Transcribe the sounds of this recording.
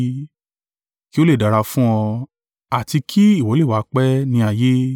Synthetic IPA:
ki˦o˦le˦˨da˨ɾa˧fũ˦ɔ̃˧ | a˨ti˧kʰi˦i˦˨wɔ˨˦e˦˨wa˨˦k͡pɛ˦nĩ˧a˨je˦

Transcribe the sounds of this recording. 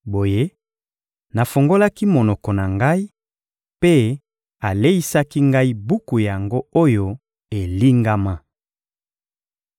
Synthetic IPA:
bo˨je˦ | na˨fo˨ŋɡo˦la˦ki˦mo˨nɔ˨kɔ˨na˨ŋɡa˦i˦ | pe˦ | a˨le˦i˦sa˦ki˦ŋɡa˦i˦bu˦ku˨ja˨ŋɡo˦o˦jo˦ | e˨li˦ŋɡa˦ma˦

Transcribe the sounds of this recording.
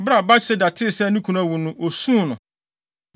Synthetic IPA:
bɾa˨ba˦t͡ɕʰɪ˦sɪ˦da˨tʰɪ˦˨sɛ˦nĩ˦kʰu˨nã˦˨wu˨nʊ̃˦ʔo˨sũ˦˨nʊ̃˨

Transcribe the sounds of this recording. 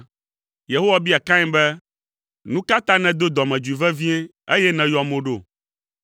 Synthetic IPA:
je˨ɦo˦wa˨bi˦a˨kã˦ɲɛ̃˦bɛ˦ | nũ˦ka˦t̪ã˦nɛ̃˨d̪o˦d̪ɔ˨mɛ̃˨d͡ʒu˨i˨vɛ˦vĩ˦ɛ˦ | e˦jɛ˦nɛ̃˨jɔ˨mõ˦ɖo̰˦˨

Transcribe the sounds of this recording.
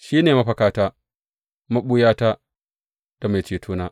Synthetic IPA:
ʃiː˦neː˨ma˦ɸɐ˨kaː˦taː˦ | ma˦ɓu˦jaː˦ta˦ | d̥a˨ma˨jt͡ʃeː˨tʰuː˦naː˦

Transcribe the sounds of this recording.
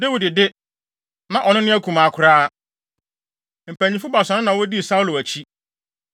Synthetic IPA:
de˦wu˨dɪ˨dɪ˦ | nã˨ʔɔ˨nʊ̃˦nɪ̃˦æ˦kʰũ˨mã˨kʰʊ˨ɾaː˦ | m̩˨pʰæ˨ɲĩ˨fʊ˦ba˨sã˨nʊ̃˦nã˨wɔ˦di˦˨sa˦u˦lo˨æ˨t͡ɕʰi˦

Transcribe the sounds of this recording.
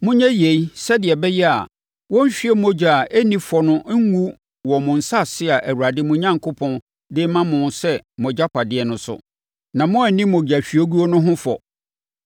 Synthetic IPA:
mʊ̃˦ɲɛ̃˦je˨i˦sɛ˦dɪ˨ɛ˨bɛ˦jɛ˦a̰˨ | wɔ̃˦ɲ̩˦ɕᶣi˦ɛ˦mõ˦d͡ʑᶣa˨ʔe˦nĩ˦fɔ˨nʊ̃˦ŋu˦ | wɔ˨mʊ̃˨n̩˨sa˦˨sɪ˦a˨ʔæ˨wu˨ɾa˨dɪ˦mʊ̃˦ɲã˦ŋkʰo˦pʰɔ̃˦n | dɪ˦mã˦mʊ̃˨nsɛ˦mɔ̃˨d͡ʑa˦pʰa˨dɪ˦ɛ˨nʊ̃˨˦sʊ̰˨ | nã˨mʊ̃˦æ˨nĩ˦mʊ̃˨d͡ʑa˨ɕᶣɥo˦ɡu˦o˦nʊ̃˦ɦʊ̃˦fɔ̰˨

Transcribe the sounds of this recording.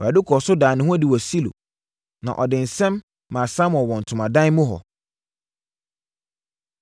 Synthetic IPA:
a˨dʊ˦kʰɔ˨sʊ˦daː˨nɪ̃˦hũ˦æ˦˨dɪ˨wɔ˨si˦lo̰˨ | nã̰˨ʔɔ˨dɪ̃˨n̩˨sɛ̃˦mː | ã˨sã˦m˦ɔ̃˨wɔ̃˨n̩˨tʰʊ˨mã˨dã˦n˦mʊ̃˦ɦɔ̰˨

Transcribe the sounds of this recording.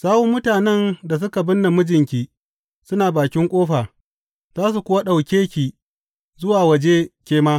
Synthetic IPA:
saː˦hu˦mʊ˦taː˨nɛ˦nda˨s̬ʊ˦ka˨bʊ˦nːa˨mʊ˦d͡ʒɪ˨ŋkʲiː˦ | sʊ˦naː˨baː˨kʲɪ˦ŋkʷʼoː˦ɸaː˨ | zaː˦s̬u˨kʷʊ˦wa˦ɗa˨wkʲeː˦kʲiː˨ | zʊ˦waː˨wɐ˨d͡ʒeː˦kʲeː˦maː˦

